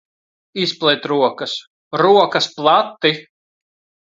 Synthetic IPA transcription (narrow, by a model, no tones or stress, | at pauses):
isplˠɛjt̪ɾuɔkɐs | ɾuɔkɐsplˠat̪ːi